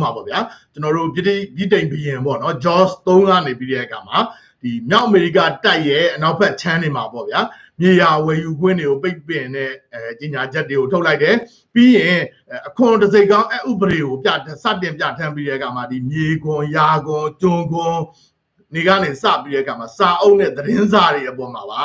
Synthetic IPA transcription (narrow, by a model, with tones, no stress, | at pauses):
ma˨bɔ̰˦˨bja˦t͡ɕənɔ˨ɾo̰˦˨bi˦˨bji˦˨tẽ˨ɪ̃bəjɪ̃˨bɔ̰˦˨nɔ˦d͡ʑɔ˦st̪õ˦ʊ̃ŋɡä̰˦˨ne˨pi˦ɾɛ˦ʔəkʰa˨ma˨ | d̥i˨mja˦ʊʔəme˨ɹḭ˦ka˦˨ta˦ɪʔjɛ˦˨ʔəna˦ʊpʰɛ˦ʔt͡ɕʰã˦ne˨ma˨pɔ̰˦˨b̥ja˦ | mje˨ja˨wɛ˨ju˨ɡwɪ̰̃˦˨nde˨ɡo˨pe˦ɪpːɪ̃˨nɛ˦˨t͡ɕe˨ɲa˨d͡ʑɛ˦tːe˨ɡo˨tʰo˦la˦ɪtɛ˨ | pi˦jɪ̃˨ | ʔəkʰʊ̃˨təze˦˨ɪ̃kã˦ʊ̃ʔɛ˦ʔṵ˦˨bəɾe˨ɡo˨pja̰˦˨tsä̰˦˨tɪ̃˨mp̬ja̰˦˨tʰã˦mpi˦ɾɛ̰˦ʔəkʰa˨ma˨di˨mje˨ɡʊ̃˨ja˨ɡʊ̃˨t͡ɕʊ̃˨ɡʊ̃˨ | ne˨ɡä̰˦˨ne˨sa̰˦˨pi˦ɾɛ̰˦ʔəkʰa˨ma˨sa˨ʔo˦ʊʔnːɛ̰˦˨d̪əɾɪ̃˦nza˨ɾe˨ʔəpɔ˨ma˨ba˨